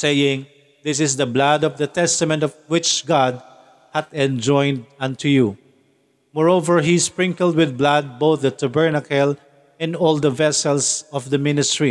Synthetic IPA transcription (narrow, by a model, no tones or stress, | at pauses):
sejɪ̃ŋ | ðɪsɪsd̪əblad̪ɔvd̪ɐt̪ɛst̪ɐmɛ̃nt̪ɔvwɪt͡ʃɡɑd̪̚ | hat̪ɛ̃nd͡ʒɔ̃ɪ̃nd̪̚ʌ̃nt̪ʰuju | mɔɹovəɹɦispɹɪ̃ŋkəld̪̚wɪð̚blad̪̚boʊθd̪ət̪ʰabɛɹnakɛl | ɛ̃ndɔlˠd̪əvɛsɛlsɔvd̪ɐmɪ̃nɪstɹi